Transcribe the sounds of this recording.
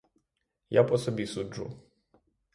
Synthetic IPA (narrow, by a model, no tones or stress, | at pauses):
ja̰pɔsɔbʲisuʐṵ